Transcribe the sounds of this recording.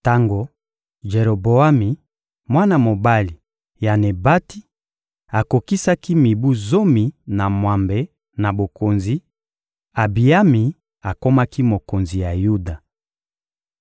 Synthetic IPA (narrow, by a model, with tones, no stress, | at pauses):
ta˦ŋɡo˨ | ʒe˨ɾo˨bo˨a˦mi˨ | mwa˦na˦˨mo˨ba˦li˨ | ja˨ne˨ba˦ti˦ | a˨ko˨ki˦sa˦ki˦mi˨bu˦zo˦mi˨na˨mwa˨mbe˨ | na˨bo˨ko˨nzi˨˦ | a˨bi˨a˦mi˨ | a˨ko˦ma˦ki˦mo˨ko˨nzi˨ja˨ju˦da˨